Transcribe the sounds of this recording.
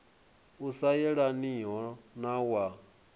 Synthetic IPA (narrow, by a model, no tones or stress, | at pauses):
usajɛɺaniɦɔnawa